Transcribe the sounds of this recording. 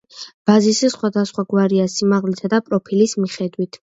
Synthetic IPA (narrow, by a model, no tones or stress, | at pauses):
b̥azisɛsχwad̪asχwaɡwaɾiasimaʁlisad̪apʼɾɔpʰilismiχɛd̪wit̪ʰ